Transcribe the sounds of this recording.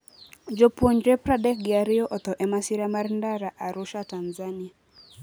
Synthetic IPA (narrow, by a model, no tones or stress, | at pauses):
d͡ʒopoɲɾepɾadɛk̚ɡɪaɾɪɔʔɔt̪ɔʔɛmasiɾamaɾndaɾaʔaɾʊʃatanzanɪa